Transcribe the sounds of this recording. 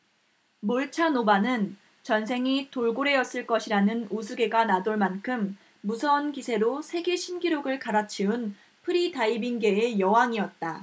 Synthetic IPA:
moɭt͡ɕʰanobanɯn | t͡ɕʌnsʰe̞ŋitoɭɡoɾe̞jʌs͈ɯɭk͈ʌɕʰiɾanɯnusʰuɡe̞ɡanadoɭmankʰɯmː | usʰʌnkisʰe̞ɾosʰe̞ɡe̞ɕʰinɡiɾoɡɯɭkaɾat͡ɕʰiun | pʰɯɾidaibinɡe̞ejʌwaŋiʌt̚t͈a

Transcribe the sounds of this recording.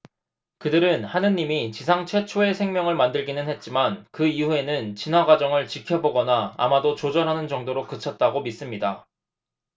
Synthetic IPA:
kɯdɯɾɯnhanɯɲːimit͡ɕisʰaŋt͡ɕʰwe̞t͡ɕʰoe̞sʰe̞ŋmʲjʌŋɯɭmandɯɭɡinɯnɦhe̞t̚t͡ɕ͈imankɯiue̞nɯnt͡ɕinwaɡwad͡ʑʌŋɯɭt͡ɕikʰjʌboɡʌna̰ːmadot͡ɕod͡ʑʌɾɦanɯnd͡ʑʌŋdoɾokɯt͡ɕʰʌt̚t͈aɡomis͈ɯmɲida

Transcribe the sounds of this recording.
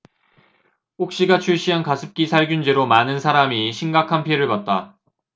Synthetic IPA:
hok̚ɕ͈iɡat͡ɕʰuɭɕ͈iɦankasʰɯp̚k͈isʰaɭɡjund͡ʑeɾomanɯnsʰaɾamiɕʰimɡakʰanpʰieɾɯɭpat̚t͈a

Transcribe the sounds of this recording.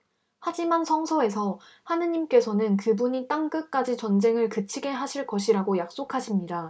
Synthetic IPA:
had͡ʑimansʰʌŋsʰʌe̞sʰʌ | hanɯɲimk͈e̞sʰʌnɯnkɯbuɲit͈aŋk͈ɯk͈ad͡ʑit͡ɕʌnd͡ʑe̞ŋɯɭkɯt͡ɕʰiɡe̞ɦaɕʰiɭkʌɕʰiɾaɡojak̚s͈okʰaɕʰimɲida

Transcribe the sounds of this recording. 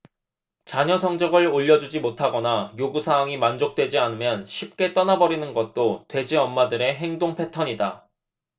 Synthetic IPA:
t͡ɕaɲʌsʰʌŋd͡ʑʌɡɯɭoʎːʌd͡ʑud͡ʑimotʰaɡʌnajoɡusʰaɦaŋimand͡ʑok̚t͈we̞d͡ʑianɯmjʌnɕʰip̚k͈e̞t͈ʌnabʌɾinɯnɡʌt̚t͈otwe̞d͡ʑiʌmːadɯɾe̞ɦe̞ŋdoŋpʰe̞tʰʌɲida

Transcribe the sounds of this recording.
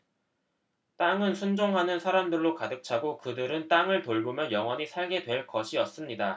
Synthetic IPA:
t͈aŋɯnsʰund͡ʑoŋɦanɯnsʰaɾamdɯɭːokadɯk̚t͡ɕʰaɡokɯdɯɾɯnt͈aŋɯɭtoɭɡomjʌnjʌŋɦwʌɲisʰaɭɡe̞dwe̞ɭkʌɕʰiʌs͈ɯmɲida

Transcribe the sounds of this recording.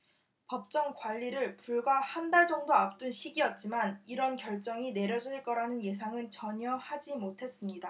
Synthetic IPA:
pʌp̚t͡ɕ͈ʌŋkwaʎːiɾɯɭpuɭɡwahandaɭd͡ʑʌŋdoap̚t͈unɕʰiɡiʌt̚t͡ɕ͈imaniɾʌnkjʌɭt͡ɕ͈ʌŋine̞ɾjʌd͡ʑʌɭk͈ʌɾanɯnje̞s̬ʰaŋɯnt͡ɕʌɲʌhad͡ʑimotʰe̞s͈ɯmɲida

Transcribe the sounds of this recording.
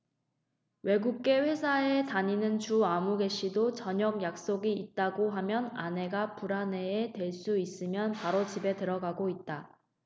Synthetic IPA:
we̞ɡuk̚k͈e̞ɸe̞sʰae̞taɲinɯnt͡ɕuamuɡe̞ɕ͈ʰidot͡ɕʌɲʌɡ̚jak̚s͈oɡiːt̚t͈aɡoɦamjʌnane̞ɡapuɾane̞ːtwe̞ɭs͈uis͈ɯmjʌnpaɾot͡ɕibe̞tɯɾʌɡaɡoit̚t͈a

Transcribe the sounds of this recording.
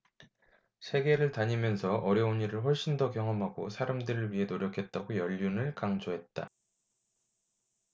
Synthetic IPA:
sʰe̞ɡe̞ɾɯɭtaɲimjʌnsʰʌʔʌɾjʌuniɾɯɭɸoɭɕ͈indʌkjʌŋʌmɦaɡosʰaɾamdɯɾɯɭɥiɦe̞noɾjʌkʰe̞t̚t͈aɡojʌʎːunɯɭkaŋd͡ʑoɦe̞t̚t͈a̰

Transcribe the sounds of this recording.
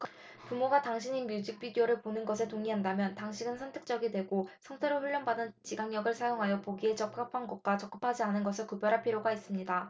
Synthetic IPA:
pumoɡataŋɕʰiɲimjud͡ʑik̚p͈idioɾɯɭponɯnɡʌsʰetoŋiɦandamjʌntaŋɕʰiɡɯnsʰʌntʰek̚t͡ɕ͈ʌɡidwe̞ɡosʰʌŋtʰeɾoɸuɭːʌnbadɯnt͡ɕiɡaŋɲʌɡɯɭsʰajoŋɦajʌpoɡie̞t͡ɕʌk̚k͈apʰanɡʌk̚k͈wat͡ɕʌk͈̚ɯpʰad͡ʑianɯnɡʌsʰɯɭkubjʌɾɦaɭpʰiɾjoɡais͈ɯmɲida

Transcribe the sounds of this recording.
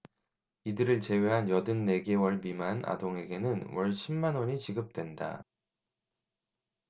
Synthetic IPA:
idɯɾɯɭt͡ɕe̞we̞ɦanjʌdɯnːe̞ɡewʌɭmimana̰doŋɦe̞ɡe̞nɯnwʌɭɕʰimːanoɲit͡ɕiɡɯp̚t͈we̞nda̰

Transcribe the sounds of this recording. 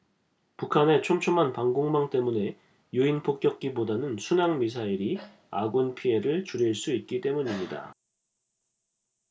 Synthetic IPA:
pukʰane̞t͡ɕʰomt͡ɕʰomanpaŋɡoŋmaŋt͈e̞mune̞ | juinpʰok̚k͈jʌk̚k͈ibodanɯnsʰunaŋmis̬ʰaiɾi | a̰ɡunpʰie̞ɾɯɭt͡ɕuɾiɭs͈uit̚k͈it͈e̞muɲimɲida̰

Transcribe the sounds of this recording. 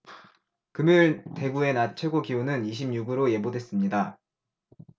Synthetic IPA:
kɯmjuɭte̞ɡue̞nat͡ɕʰeɡokiunɯniɕʰimɲuɡɯɾoje̞bodwe̞s͈ɯmɲida

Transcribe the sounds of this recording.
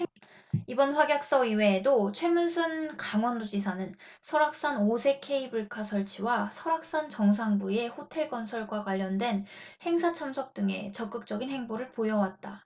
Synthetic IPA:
ibʌnɸwaɡjak̚s͈ʌiwe̞dot͡ɕʰwe̞munsʰunkaŋwʌndod͡ʑisʰanɯnsʰʌɾak̚s͈anosʰe̞kʰe̞ibuɭkʰasʰʌɭt͡ɕʰiwasʰʌɾak̚s͈ant͡ɕʌŋs̬ʰaŋbue̞ɸotʰe̞ɭk͈ʌnsʰʌɭɡwakwaʎːʌndwe̞nhe̞ŋsʰat͡ɕʰamsʰʌk̚t͈ɯŋe̞̰t͡ɕʌk͈ɯk̚t͡ɕ͈ʌɡinhe̞ŋboɾɯɭpojʌwat̚t͈a

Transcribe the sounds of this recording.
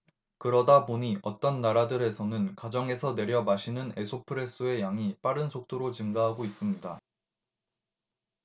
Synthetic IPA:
kɯɾʌdapoɲiʔʌt͈ʌnːaɾadɯɾe̞sʰʌnɯnkad͡ʑʌŋe̞sʰʌne̞ɾjʌmaɕʰinɯne̞sʰopʰɯɾe̞s͈ʰɯe̞jaŋip͈aɾɯnsʰok̚t͈oɾot͡ɕɯŋɡaɦaɡois͈ɯmɲida

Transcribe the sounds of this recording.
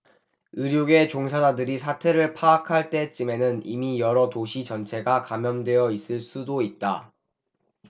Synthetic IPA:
ɯɾjoɡe̞t͡ɕoŋsʰad͡ʑadɯɾisʰatʰe̞ɾɯɭpʰaːkʰaɭt͈e̞t͡ɕ͈ime̞nɯnimijʌɾʌtoɕʰit͡ɕʌnt͡ɕʰe̞ɡakamjʌndwe̞jʌis͈ɯɭs͈udoit̚t͈a

